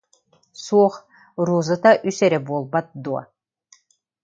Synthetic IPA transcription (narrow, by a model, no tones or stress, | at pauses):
suɔχ | ɾuːzɯt̪aʔysɛɾɛbuɔlˠbat̪̚d̪uɔ̰